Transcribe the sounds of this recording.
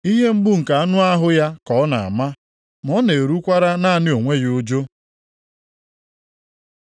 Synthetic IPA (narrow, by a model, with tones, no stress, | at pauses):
i˦ɦe˦m̩˦ɡ͡bu˦ŋ̩˨ka˨a˦nʊ˦a˦ɦʊ˦ja˦kɔ˨˦na̰˨a̰˨ma˦ | m˦ɔ˦ne˨e˨ɾu˦kʷa˦ɾa˦na˦a˦˨nɪ˦o˨ŋʷe˦jo˦d͡ʒo˦